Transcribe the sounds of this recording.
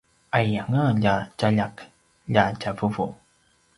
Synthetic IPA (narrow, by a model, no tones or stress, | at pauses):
ʔajaŋəʎacaʎaq | ʎacavuvu